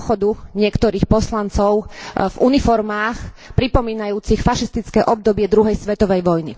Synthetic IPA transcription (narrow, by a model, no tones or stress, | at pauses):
xɔd̪uɲɪɛkt̪ɔɾiːxpɔslant͡sɔʊvunifɔɾmaːx | pɾipɔmiːnajuːt͡sixfaʃist̪it͡skɛːʔɔb̚d̪ɔbɪɛd̪ɾuɦɛjsʋɛt̪ɔʋɛjʋɔjni